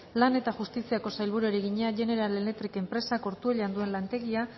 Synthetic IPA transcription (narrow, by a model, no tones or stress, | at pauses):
lane̞t̪axust̪isiako̞sajlβuɾueɾeɣiɲeaʝe̞ne̞ɾalelet̪ɾike̞mpɾe̞sako̞ɾt̪ue̞ʎand̪ue̞nlant̪e̞ɣia